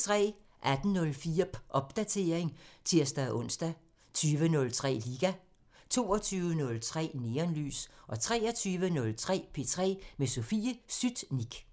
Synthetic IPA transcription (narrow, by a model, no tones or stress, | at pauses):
t͡sʰʁɛ̰ː | ʔæd̥n̩nɔ̽lfiːɐ̥ʔɒ̽b̥̚d̥æt͡sʰe̝ːɐeŋt͡sʰiɐ̰sd̥æʔɔ̽n̰sd̥æ | t͡sʰyːʋənɔ̽lt͡sʰʁɛ̰ːliɡ̥æ | t͡sʰo̝̰ːɒt͡sʰyːʊənɔ̽lt͡sʰʁɛ̰ːne̝ːɐnly̰ːsʔɒ̽t͡sʰʁɛ̰ːɐt͡sʰyːʋənɔ̽lt͡sʰʁɛ̰ːpʰe̝t͡sʰʁɛ̰ːmeso̝fiːəsyd̥niɡ̥